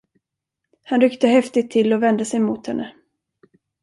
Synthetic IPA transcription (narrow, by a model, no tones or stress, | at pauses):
hanɾʏkt̪əɦɛft̪ɪt̪ʰːɪlːɔvɛnd̪əsɛjmuːt̪hɛnːʔə